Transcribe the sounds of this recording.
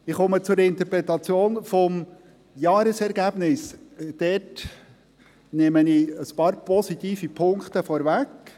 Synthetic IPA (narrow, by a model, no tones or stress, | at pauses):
ɪχɔmət͡sʊɾɪnt̪əɾpɾɛt̪ɑt͡sjoːnfɔm | jɑːɾəsɛɾɡæb̥nɪsd̥ɛt | nɪməniəspɑːɾpɔsit̪iːfipʰʊŋkt̪əfɔɾvæk